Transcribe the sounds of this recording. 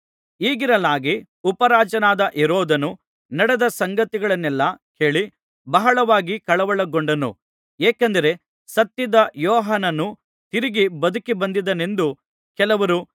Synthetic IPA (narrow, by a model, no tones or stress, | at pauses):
iːɡiɾɐlaːɡi | upɐɾaːt͡ʃɐnaːd̪ɐʔɛɾoːd̪ɐnu | nɐɽɛd̪ɐsɐŋɡɐt̪iɡɐɭɐnːɛlːɐke̞ːɭi | bɐɦɐɭɐʋaːɡikɐɭɐʋɐɭɐɡoɳɖɐnṵ | eːkɐnd̪ɐɾe̞ | sɐt̪ːid̪ɐjɔːɦanɐnu | t̪iɾiɡibɐd̪ukibɐnd̪id̪ɐne̞nd̪u | kɛlɐʋɐɾu